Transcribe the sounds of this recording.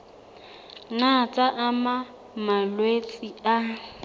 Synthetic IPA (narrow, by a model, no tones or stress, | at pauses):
nat͡sʼaʔama | malwet͡sʼia